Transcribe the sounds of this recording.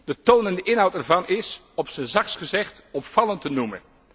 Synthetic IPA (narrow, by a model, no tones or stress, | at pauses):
d̥ətownəndəʔɪnɦɑwtɛɹvɑnɪs | ɔpsənzɑksχəzɛχtɔpfɑlˠəntənumə̰n